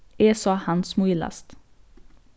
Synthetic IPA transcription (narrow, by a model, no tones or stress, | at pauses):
eːsɑhɑnsmuɪlɑ̰st̪